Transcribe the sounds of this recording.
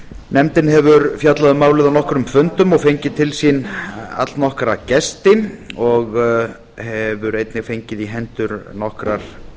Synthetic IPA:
nɛmt̪ɪnɦɛvʏɾfjat̪laðʏmaːwlɪðanɔhkɾʏmfʏnt̪ʏmɔɣfejɲcɪt̪ʰɪlsina̰t̪lnɔhkɾacɛst̪ɪnɔɣ | hɛvʏɾejt̪nɪɣfejɲcɪðiɦɛnt̪ʏɾnɔhkɾaɾ̥

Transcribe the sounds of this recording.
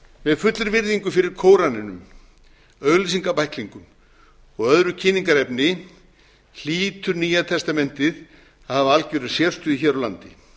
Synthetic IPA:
vɛðfʏt̪lʏɾvɪɾðiŋkʏfɪɾɪɾ̥kʰoːwɾanɪnʏ̰m | œɣls̬iŋkapajhkliŋkʏm | ɔɣœðɾʏcʰɪniŋkaɾɛpnɪ | l̥iːt̪ʏɾniːjat̪ʰɛst̪amɛn̥t̪ɪð | aðhavaalceɾɪ̥sjɛr̥st̪ʏiçɛːɾɔlant̪ɪ

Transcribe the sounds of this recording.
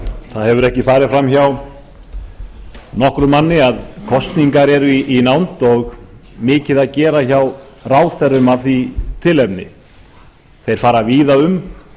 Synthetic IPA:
θaðhɛvʏɾɛhcɪfaːɾɪðfɾamçaw | nɔhkɾʏmanːɪaðkʰɔst̪niŋkaɾɛɾʏiinawnt̪ɔɣmɪːcɪðaðcɛːɾaçaw | raːwθɛrːʏmavθit̪ʰɪlɛpnɪ̰ | θejɾ̥faːɾaviːðaʏm

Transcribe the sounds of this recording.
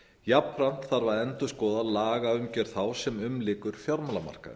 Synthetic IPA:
japfɾam̥t̪θaɾvaɾɛnt̪ʏskɔːðalaːɣaʏmcɛɾ̥θawsɛmʏmlɪːkʏɾ̥fjawɾmalama̰r̥ka̰

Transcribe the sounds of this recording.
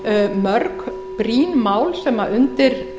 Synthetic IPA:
mœɾk | pɾiːnmaːwlsɛːmaʔʏnt̪ɪɾ̥

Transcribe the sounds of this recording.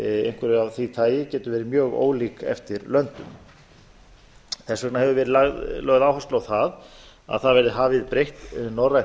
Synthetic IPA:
ḛjŋ̥kʰvɛɾɪavθit̪ʰaːjɪcɛːt̪ʏvɛːɾɪmjœːɣo̰ːwliːkɛ̰ft̪ɪɾlœnt̪ʏ̰m | θɛsːœknahɛvʏvɛːɾɪðlaɣðlœːɣðaːwhast̪lawθað | a̰ðθaðvɛɾðɪɦaːvɪðpɾejht̪nowraj

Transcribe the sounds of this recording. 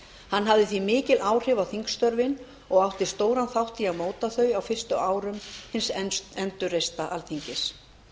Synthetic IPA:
hanːɦavðɪθvimɪːcɪlʔaːwr̥ɪvawθiŋkst̪œɾvɪn | ɔɣawht̪ɪ̥st̪oːwɾanθawht̪iamoːwt̪aθœɥawfɪr̥st̪ʏʔaːwɾʏmhɪnsɛnt̪ʏrejst̪aʔalθiɲcɪs

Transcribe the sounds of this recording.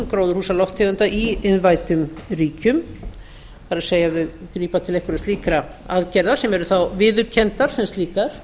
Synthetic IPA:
mkɾowðʏɾ̥huːsalɔft̪hɛɣʏnt̪aʔiɪnvaːjt̪ʏmriːcʏm | faɾaseːjaɪkɾiːpat̪ʰɪlejhkʏɾɛst̪iːkɾa | aðcɛɾðḁsɛmɛɾʏθawvɪːðʏɾcʰɛnt̪aɾ̥sɛmst̪liːkaɾ̥

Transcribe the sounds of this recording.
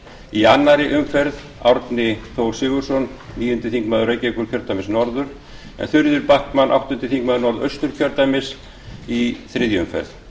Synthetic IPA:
ianːaɾɪʔʏmfɛɾð | a̰wɾt̪nɪθʰoːwsɪɣʏɾ̥sɔnniːjʏnt̪ɪθiŋkmaːðʏɾejcɛkʏɾ̥cʰœɾt̪amɪsnɔɾðʏɾ̥ | ɛ̰nθʏɾðʏɾpahkmanʔa̰wht̪ʏnt̪ɪθiŋkmaðʏɾnɔɾðœ̰ɥst̪ʏɾ̥cʰœɾt̪amɪs | iθɾɪðjʏmfɛ̰ɾð

